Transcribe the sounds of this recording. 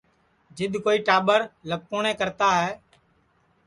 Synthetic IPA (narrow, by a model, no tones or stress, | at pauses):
d͡ʒɪɗ̪koːiːʈaːɓəɾləb̚koːnẽːkəɾt̪aːɦɛː